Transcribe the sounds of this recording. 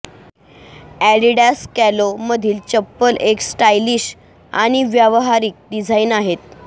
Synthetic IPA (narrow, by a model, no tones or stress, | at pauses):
æɽiɖaskæloməd̪ʱiːlt͡ɕəpːəlʔeksʈajliːɕ | a̰ɽ̃iʋjaʋɦaɾiːk̚ɖid͡zʱaiːnaɦet̪̚